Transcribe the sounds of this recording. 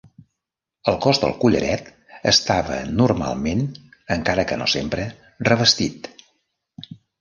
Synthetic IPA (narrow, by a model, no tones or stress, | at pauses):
əlˠkɔzðə̰lˠkuʎə̰ɾɛt̪ | əst̪aβə̰nurma̰lˠmenəŋkaɾəkəno̰sempɾə | rəβəst̪it̪